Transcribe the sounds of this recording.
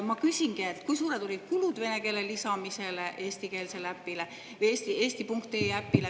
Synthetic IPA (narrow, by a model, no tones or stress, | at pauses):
mɑkysʲiŋɡ̥iet̪ːkujsuːɾe̞d̪o̞lʲid̪̥kulud̪ve̞ne̞ke̞ːle̞lisɑmise̞leʔeːsʲt̪ike̞ːlse̞læpːile | eːsʲt̪ie̞ːsʲt̪ipuŋkt̪eːæpːile